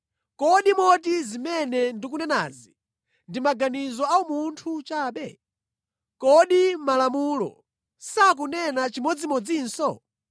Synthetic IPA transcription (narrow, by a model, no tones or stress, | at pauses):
kɔɗimɔt̬izimɛnɛndikunɛna̰ːzi | ndimaɡanizɔaumuntʰut͡ʃaːɓɛ | kɔɗimalamulɔ̰ | sak̬unɛnat͡ʃimɔd͡zimɔd͡ziːnsɔ